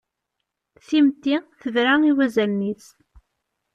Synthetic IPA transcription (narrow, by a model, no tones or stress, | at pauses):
θimt̪ːiθəvɾaiwæzælnis